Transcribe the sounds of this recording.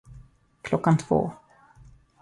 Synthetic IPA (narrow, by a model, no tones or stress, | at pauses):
kʰlɔkːant̪ʰv̥o̰ː